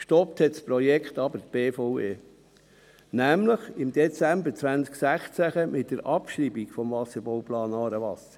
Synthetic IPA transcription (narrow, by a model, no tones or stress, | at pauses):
kʃtɔp̚thɛtspɾɔjɛkχtɑbəɾt̪b̥eːfɔweː | næmləχɪmd̥̪ɛt͡sæmbəɾt͡sʋænt͡sksæχt͡sæχəmɪt̚d̥əɾʔɑpʃɾibikfɔmvɑsəɾbɔwplɑːnɑːɾəʋɑsə